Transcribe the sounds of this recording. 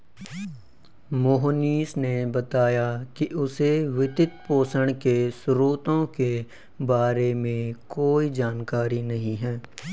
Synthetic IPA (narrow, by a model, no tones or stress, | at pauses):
moɦniːsnebət̪aːjakiʔʊseʋɪt̪ɪt̪poːsəɽ̃kesʊɾuːt̪õke | baːɾemẽkoːid͡ʒaːnkaːɾinɐɦĩɦɛː